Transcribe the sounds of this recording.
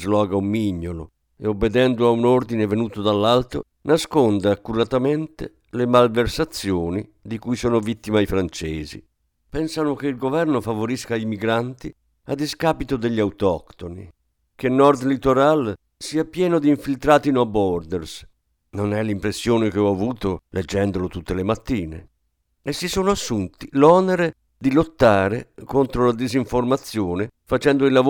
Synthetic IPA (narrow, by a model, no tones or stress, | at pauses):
zlɔːɡaumːiɲːolo̰ | eobːed̪ɛnd̪oaunord̪inevenuːt̪od̪alːalt̪ɾo̰ | naskond̪akːurat̪amɛnt̪e | lemalversat̪sːjoːnid̪ikuːjsoːnovit̪ːimaifɾant͡ʃɛːzḭ | pɛnsanokeilɡovɛrnofavoɾiskaimiɡɾant̪i | ad̪iskaːpit̪od̪eʎːiawt̪ɔkt̪onḭ | k̟enːɔrd̪lit̪oɾal | siːapjɛːnod̪iːɱfilt̪ɾaːt̪inoabɔrd̪ɛrs | nonɛlimpɾesːjoːnekeɔavuːt̪oled͡ʒːɛnd̪olot̪ut̪ːelemat̪ːiːnḛ | esːisoːnoasːunt̪ilɔneɾe | d̪ilot̪ːaːɾekont̪ɾolad̪iziɱformat̪sːjoːnefat͡ʃɛnd̪oilːav